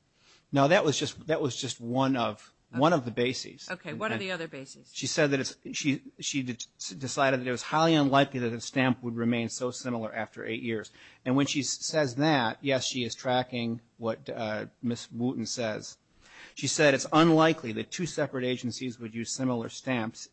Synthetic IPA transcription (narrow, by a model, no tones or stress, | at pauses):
noʊðɨʔ̚wʌzd͡ʒʌst̚ðɨtʔ̚wʌzd͡ʒʌst̚wʌ̃nʌv̥ | wʌ̃ñʌvðɨbeɪsḭz̥oʊkʰʌ̃iʌðə˞beɪizʃisɛd̪̚ðɨɾɨtsʃiʃidɨsaɪɾɨd̪̚ðɨɾɨt̚wʌz̥haɪlˠiə̃nlaɪkliðɨt̪̚ðɨstæ̃mpwəd̚ɹɨmẽɪ̃nsoʊsɪ̃ml̩ˠə˞ʔæftə̰˞ʔḛɪʔ̚jɪɹz̥ɨ̃nwɨ̃nʃisɛzðæt̚jɛsʃiɨz̥tʰɹ̥ækɪ̃ŋ | wʌt̚mɪswuʔn̩sɛz̥ | ʃisɛɾɨtsə̃nlaɪkʰliðɨtʰʉsɛpɹɨɾeɪd͡ʒn̩sizwɨd̚jʉz̥sɪ̃ml̩ˠə̰˞stæ̃mps